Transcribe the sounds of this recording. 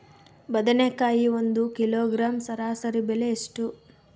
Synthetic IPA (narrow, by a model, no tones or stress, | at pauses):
bɐd̪ɐnekaːjiond̪ukiloːɡɾaːmsɐɾaːsɐɾibeleeʂʈu